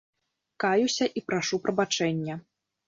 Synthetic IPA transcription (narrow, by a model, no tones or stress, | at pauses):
kajusʲɐʔipɾaʂupɾɐbat͡ʂɛnʲːɐ